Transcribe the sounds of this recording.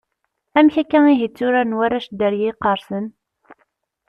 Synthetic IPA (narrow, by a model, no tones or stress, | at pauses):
æmçækːæŋiɦit͡sːuɾænwæɾæʃd̪əɾjiːqəɾˤsən